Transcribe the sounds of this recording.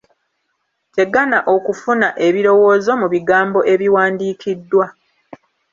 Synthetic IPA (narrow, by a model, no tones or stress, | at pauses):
te̞ɡanaʔo̞kufunaʔe̞βiɾo̞wo̞ːzo̞muβiɡaːmbo̞ʔe̞βiwaːndiːkʰidːwa